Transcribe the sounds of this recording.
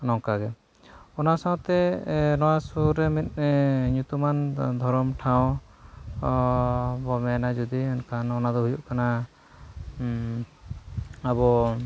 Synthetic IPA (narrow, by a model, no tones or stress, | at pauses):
nɔŋkaɡɛ | ɔnasãw̃t̪ɛnɔwasuɾɛmit̪̚ˀɲut̪umand̪ʱɔɾɔmʈʰaw̃ | bɔmɛnad͡ʒud̪iɛnkanɔnad̪ɔɦujuʔkana | abɔ